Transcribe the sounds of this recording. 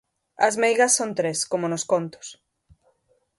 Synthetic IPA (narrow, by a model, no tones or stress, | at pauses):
ɐ̰zmejɣɐsːont̪ɾeskomonoskont̪ʊ̥s